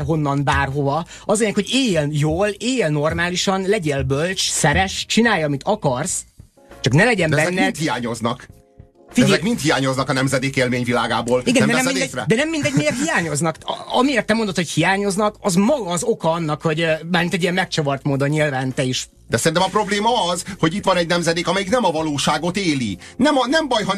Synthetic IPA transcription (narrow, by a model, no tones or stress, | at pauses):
ɦo̞nːɒnbaːrɦo̞vɒ | ɒzɒleːɲɛkhoɟeːjeljoːleːjlno̞rmaːliʃɒnlɛɟeːlbølt͡ʃsɛɾɛʃt͡ʃinaːjːɒmit̪ɒkɒrs | t͡ʃɒknɛlɛɟɛmɛbɛzɛnːɛit̪hijaːɲo̞znɒk | fiɛzɛkmint̪hijaːɲo̞znɒkɒnɛmzɛd̪eːkeːlmeːɲvilaːɡaːboːliɡɛnɛmd̪ɛɛɛmɛid̪ɛsɛd̪ɛnɛmːind̪ɛɟmekhijaːɲo̞znɒkɒmieːrt̪ːɛmo̞nd̪ot̪hochijaːɲo̞znɒkɒzmɒɡɒːzo̞kɒɒnːɒkho̞ɟmaːɾrmint̪ɛɟijɛmmɛk̚t͡ʃɒvɒrt̪moːd̪oɲilvaːnt̪ɛiʃ | d̪ɛsɛɾint̪ɛmɒpɾo̞bleːmɒɒzho̞ɟit̪ʋɒnɛɟnɛmzɛd̪eːkɒmɛjiknɛmɒvɒloːʃaːɡo̞t̪eːlḭnɛmɒnɛmbɒjɦɒ